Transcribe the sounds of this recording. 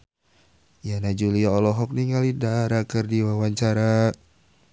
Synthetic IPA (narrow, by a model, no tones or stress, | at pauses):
janad͡ʒuliaɔlɔɦɔk̚niŋalidaɾakərdiwawaɲt͡ʃaɾa